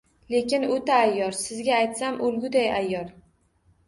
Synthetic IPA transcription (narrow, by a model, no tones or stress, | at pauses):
le̞kʲɪnot̪aːjːɒɾsɪzɡʲaːjt̪samʔʊlɡʲʊd̪ajajːɒɾ